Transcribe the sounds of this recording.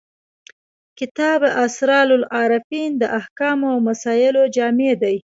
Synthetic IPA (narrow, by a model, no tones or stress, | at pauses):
kɪt̪ɑbʔasɾɑlʊlɑɾafind̪əʔahkɑmoawmasɑjɪlod͡ʒɑmed̪aj